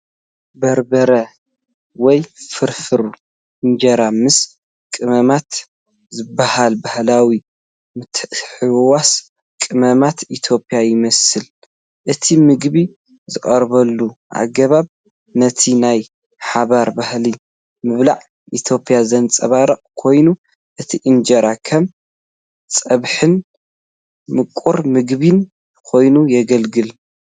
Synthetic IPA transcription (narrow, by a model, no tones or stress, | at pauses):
bɐɾbɐɾɐ | wɔjfɨɾfɨɾu | ɨnd͡ʒɐɾamɨs | kʼɨmɐmat̪ | zɨbːahalbahlawi | mɨt̪ħɨwwas | kʼɨmɐmat̪it̪ʰjo̞pʼijajɪmɐsɨl | ʔɨt̪ʰimɨɡbi | zɨχʼɐɾβɐlːuʔa̰ɡːɐβaβ | nɐt̪ʰinaj | ħaβaɾbahli | mɨβla̰ʕ | ʔit̪ʰjo̞pʼjazɐnt͡sʼɐβaɾɐqʼkʰo̞jnu | ʔɨt̪ʰiʔɨnd͡ʒɐɾakʰɐm | t͡sʼɐβħɨn | mɨkʼːuɾmɨɡβin | kʰo̞jnujɛɡɐlɡɨl